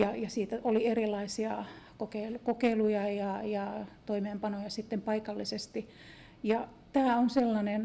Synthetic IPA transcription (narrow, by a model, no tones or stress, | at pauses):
jɑjɑsiːt̪æolierilːˑɑisiɑkokeilukokeilujɑjɑjɑt̪oimeːmpɑnojɑsit̪ːempɑikɑlːisest̪i | jɑ | t̪æːonselːɑnen